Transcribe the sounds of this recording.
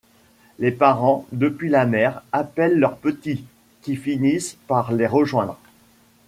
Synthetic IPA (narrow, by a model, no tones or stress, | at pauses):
lepaʁɑ̃d̪əpɥilamɛʁapɛlːœʁpət̪i | kʲifinispaʁleʁəʒwɛ̃d̪ʁ